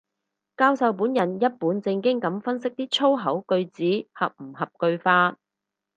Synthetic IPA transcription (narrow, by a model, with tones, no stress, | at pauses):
kaː˧wsɐ˨˧wpuː˨˥njɐ˨˩njɐ˥t̚puː˨˥nt͡sɪ˧ŋkɪ˥ŋkɐ˨˥mfɐ˥nsɪ˥k̚t̪iː˥t͡sʰo˥wɦɐ˨˥wkɵ˧ɥt͡siː˨˥hɐ̰˨p̚m̩˨˩ɦɐ˨p̚kɵ˧ɥfaː˧t̚